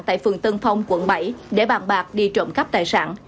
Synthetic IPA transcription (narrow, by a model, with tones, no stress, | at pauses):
ŋt̪a̰ː˧˨jfɨ˨˩ŋt̪ɨ˧ŋfa˧wŋ͡mkwə˧˦nɓə˧˩jɗe˧˩ɓaː˨˩nɓaː˨˩k̚ɗi˧t͡ɕə̰˧˩mka˦˥p̚t̪aː˨˩jsa̰ː˧˥n